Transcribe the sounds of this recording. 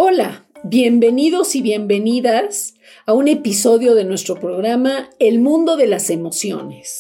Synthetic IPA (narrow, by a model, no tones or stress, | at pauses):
o̞laβje̞mbe̞niðo̞siβje̞mbe̞niðas | aune̞piso̞ðjo̞ðe̞nwe̞st̪ɾo̞pɾo̞ɣɾamae̞lmũnd̪o̞ðe̞lase̞mo̞sjo̞̰ne̞s